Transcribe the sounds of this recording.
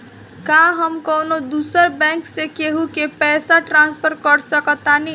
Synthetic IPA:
kaɦʌmkʌwnod̪usʌɾbaŋksekeɦukepɛsaʈranspʰʌɾkʌɾsʌkʌt̪ːani

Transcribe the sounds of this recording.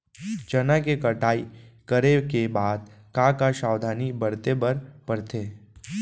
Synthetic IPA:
t͡ʃɐnakekəʈaːikəɾekebaːd̪kãkaʃaːwd̪ʱaːnibəɽt̪ebəɾpəɾt̪eː

